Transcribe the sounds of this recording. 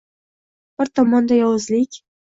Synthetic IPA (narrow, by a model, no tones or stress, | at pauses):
b̥ɪɾt̪ʰɒmɒnd̪ajɒwɨzlikʲ